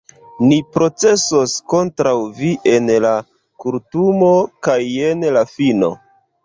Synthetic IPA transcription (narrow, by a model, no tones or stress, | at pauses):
nipɾo̞t͡se̞so̞sko̞ntɾawviʔe̞nla | kuɾtumokaje̞nlafino̞̰